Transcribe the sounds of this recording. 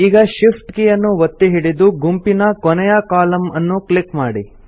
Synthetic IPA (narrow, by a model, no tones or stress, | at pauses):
iːɡɐʃipʰʈkijɐnːuʋɐt̪ːeɦiɽid̪uɡumpinɐkɔnɛjɐkaːlɐmɐnːuklikmaːɽi